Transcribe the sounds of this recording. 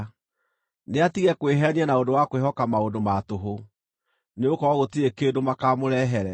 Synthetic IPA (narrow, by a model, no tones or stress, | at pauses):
neatiɣɛkweɦɛniɛnaondowakweɦɔkamaondomatoɦo | neokɔɔɣotiɾekeːdomakamoɾɛɦɛɾɛ